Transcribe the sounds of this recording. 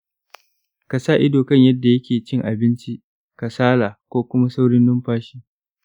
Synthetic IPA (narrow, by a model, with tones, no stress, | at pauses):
ka˨saː˦˨ʔɪ˦doː˨kɐ˦˨ɲjɐ˦dːa˨jɐ˦kʲeː˨t͡ʃɪ˦ŋʔa˨bɪ˦nt͡ʃi˦ʔ | ka˨saː˦laː˨kʷoː˦kʷʊ˦ma˦sa˦wɽɪ˦nːʊ˦mɸaː˦ʃiː˦